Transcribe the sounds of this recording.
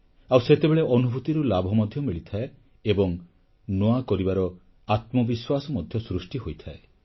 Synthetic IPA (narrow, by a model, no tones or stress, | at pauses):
awset̪ebeɭeʔɔnubʱut̪iɾulabʱɔmɔd̪ʱjɔmiɭit̪ʰae | ebɔŋ | noakɔɾibaɾɔ | at̪mɔbiswasɔmɔd̪ʱjɔsɾusʈiɦojt̪ʰae